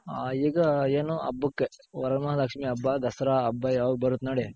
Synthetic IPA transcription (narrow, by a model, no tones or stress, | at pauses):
aiːɡɐeːnuʔɐ̰bːukːeɔɾɐmɐɦɐd̪ɐkʂmiɐbːɐd̪ɐsɾaːɐbːɐjaːʋɡbɐɾut̪nɐɽi